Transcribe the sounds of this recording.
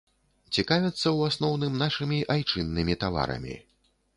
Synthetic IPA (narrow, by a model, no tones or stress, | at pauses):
t͡sʲikavʲɛt̪sːɐwasnɔwnɨmnaʂɨmʲiʔajt͡ʂɨnːɨmʲit̪ava̰ɾɐ̰mʲḭ